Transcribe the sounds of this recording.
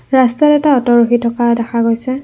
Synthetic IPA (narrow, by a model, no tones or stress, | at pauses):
ɹastɛtɛtaɔtɔɹuxitʰɔkadɛxʰaɡojsɛ